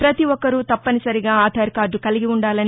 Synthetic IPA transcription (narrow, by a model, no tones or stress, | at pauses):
pɾɐt̪iʋɔkːɐɾut̪ɐpːɐnisɐɾiɡaːaːt̪ʰɐːɾkaːɾɖukɐliɡiuɳɖaːlɐn